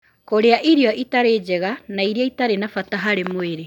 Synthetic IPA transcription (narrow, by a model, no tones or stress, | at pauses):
koɾeaʔiɾiɔʔitaɾeːd͡ʒɛɣanaiɾeaitaɾenafataɦaɾemoeɾe